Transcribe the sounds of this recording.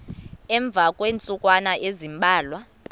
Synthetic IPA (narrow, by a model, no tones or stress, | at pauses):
ɛɱb̪vʱakʼweːnt͡sʼukʼwanaʔezimbʱaːlwa